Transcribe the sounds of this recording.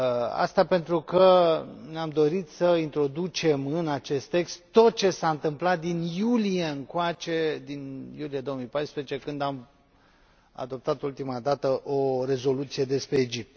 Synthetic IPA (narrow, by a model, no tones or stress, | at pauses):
a̰st̪ape̞nt̪ɾukəneamd̪o̞ɾit̪səint̪ɾo̞d̪ut͡ʃe̞mɨnat͡ʃe̞st̪ːe̞kst̪t̪ːo̞t̪̚t͡ʃe̞saɨnt̪ɨmplat̪̚d̪injulijeɨŋkoat͡ʃe̞d̪injulije̞d̪o̞omijpajspɾezet͡ʃe̞kɨnd̪am | a̰d̪o̞p̚t̪at̪ult̪imad̪at̪əʔo̞ɾe̞zo̞lut̪sije̞d̪e̞spɾe̞ːd͡ʒip̚t̪